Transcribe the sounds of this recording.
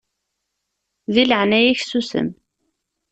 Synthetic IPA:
ðiləʕnæjiçsusə̰m

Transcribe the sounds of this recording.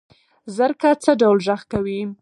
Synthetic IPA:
zəɾkat͡səɖawlʒaxkawi

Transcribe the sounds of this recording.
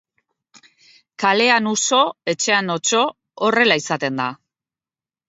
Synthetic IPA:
kale̞anuso̞e̞t͡ʃe̞ano̞t͡ʃo̞ː | re̞laisat̪e̞nd̪a

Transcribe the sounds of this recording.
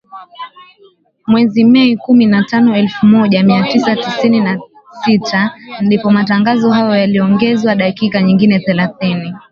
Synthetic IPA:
mwɛzimɛikuminatanɔɛlfumɔʄamiatisatisinina | sitʰandipɔmataŋɡazɔhajɔjaliɔŋɡɛzwaɗakikaɲiŋɡinɛθɛlaθini

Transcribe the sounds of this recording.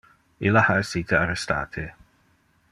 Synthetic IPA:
ilahaəsit̪ʰəaɾɛsta̰ːt̪ʰɪ

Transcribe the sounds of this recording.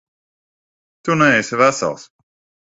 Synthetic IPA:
t̪unɛɛjsvæsa̰lˠs

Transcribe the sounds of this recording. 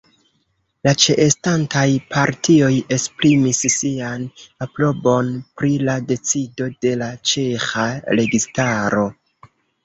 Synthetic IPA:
lat͡ʃe̞ʔestantajpʰaɾtʰio̞je̞spɾimisːianaplo̞bo̞npɾilade̞t͡sido̞de̞lat͡ʃe̞xaɾe̞ɡistaɾo̞

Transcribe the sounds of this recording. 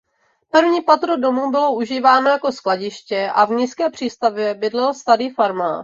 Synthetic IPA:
pɾvɲiːpat̪ɾodo̞mubɪlo̞ʔuʒiːvaːno̞jako̞sklaɟɪʃcɛʔavɲiskɛːpr̝̥iːst̪avjɛbɪdlɛlst̪aɾiːfaɾma̰ː

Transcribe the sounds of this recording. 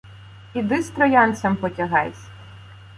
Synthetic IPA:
id̪ɪst̪ɾɔjɑnt̪sʲɐmpɔtʲɐɦɑjsʲ

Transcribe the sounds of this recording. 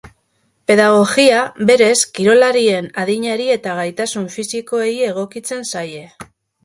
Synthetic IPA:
pe̞ðaɣ̞o̞ɣiabe̞ɾe̞skiɾo̞laɾie̞naðiɲaɾie̞t̪aɣajt̪asuɱfisiko̞eie̞ɣ̞o̞kit͡se̞nsaje̞

